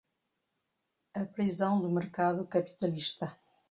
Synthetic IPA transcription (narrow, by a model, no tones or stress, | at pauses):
ɐpɾizɐ̃w̃d̪umɨɾkaðukɐpi̥t̪ɐliʃt̪ɐ